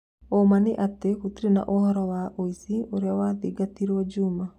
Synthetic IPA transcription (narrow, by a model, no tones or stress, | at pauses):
omaneʔateɣotiɾena̰ʔohɔɾɔwaʔoisioɾeawaðiɡatiɾwɔd͡ʒuma